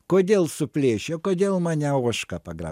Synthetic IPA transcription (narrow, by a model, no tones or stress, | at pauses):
koːd̪ʲeːlˠsʊpʲlʲeːʃʲokoːd̪ʲeːlˠmɑːnʲɛoɔʃkɐpɐɡɾɑ̰